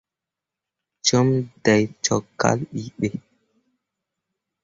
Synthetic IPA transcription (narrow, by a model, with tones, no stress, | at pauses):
t͡ʃo˦mda˨jt͡ʃɔ˨kːa̰˦li˦ɗe˨